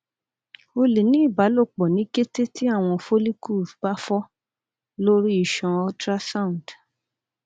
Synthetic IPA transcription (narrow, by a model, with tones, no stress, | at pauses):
o˧le˨nĩ˦i˦˨ba˨˦lo˦˨k͡pɔ˨nĩ˨˦ke˦te˦ti˦a˦˨w̃ɔ̃˧fo˦li˦ku˦˨ba˦fɔ˦ | lo˦ɾi˦i˦˨ʃɔ̃˧ɔ˦tɾa˦sa˦ũ˨d